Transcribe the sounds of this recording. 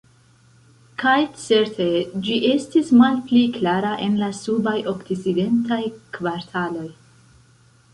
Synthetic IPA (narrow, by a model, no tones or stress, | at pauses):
kʰajt͡se̞ɾtʰe̞d͡ʒiʔe̞stismalpliklaɾaʔe̞nlasubajʔoktiside̞ntajkvaɾtʰalo̞j